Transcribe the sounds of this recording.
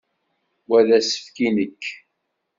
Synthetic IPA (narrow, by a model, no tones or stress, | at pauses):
wæðæsə̥fkinəkː